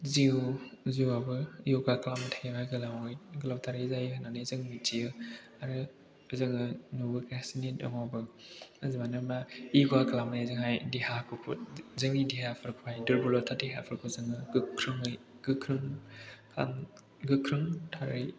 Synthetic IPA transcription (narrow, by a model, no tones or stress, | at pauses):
ziwziwabɯijoɡakʰlamtʰajŋajɡɯlamɯjɡɯlawtʰaɾɯzajhɯnanɯzɯŋmitʰijɯ | aɾɯ | zɯŋɯnubɯkɾasinetɯ̰ŋɔbɯazimanɯmaiɡakʰlamnezɯŋajdihakʰukʰṵt̚zɯŋidiɦapʰɯɾkʰupʰajdɯɾbulɔtʰadiɦapʰɯɾkʰuzɯŋɯɡɯkʰɾɯŋɯj | ɡɯkʰɾɯŋkʰla̰m | ɡɯkʰɾɯŋtʰaɾɯj